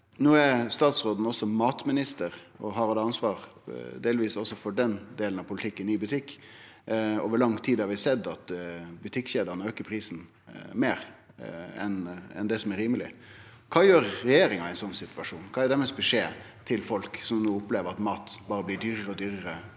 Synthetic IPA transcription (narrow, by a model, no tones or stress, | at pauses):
nuːæɾst̪ɑːt̪sɾoːd̪n̩ɔsːɔmɑːt̪mɪnɪst̪əɾ | ɔ̰ɦɑɾɑd̪ɛɑnsʋɑːɾd̪eːlʋiːsɔsɔfɔɖɛnd̪eːlən̩ɑʋpʰʊlɪt̪ʰɪkːənɪbʉt̪ʰɪkː | o̰ːʋəɭɑŋt̪ʰiːd̪hɑɾʋɪsɛd̪ɑt̪bʉt̪ʰɪkːçeːd̪əɾnəøːkəɾpʰɾiːsn | meːɾ | ɛ̰nɛ̰nd̪ɛsɔmæɾiːməlɪ̰ | kʰɑːjøːɾːɛjeːɾɪŋɑæɪnsɔnːsɪt̪ʋɑʂuːnkʰɑːæɾɖ̪æɾmɛsbɛʂeː | t̪ʰɪlfɔlksɔmnuːʊpleːʋəɾɑt̪mɑːt̪bɑːɾəblɪɖyːɾəɾəɔd̪yːɾəɾə